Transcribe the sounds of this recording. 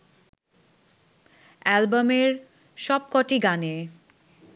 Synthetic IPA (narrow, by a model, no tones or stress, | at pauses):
ɛlbameɾ | ʃɔb̚kɔʈiɡane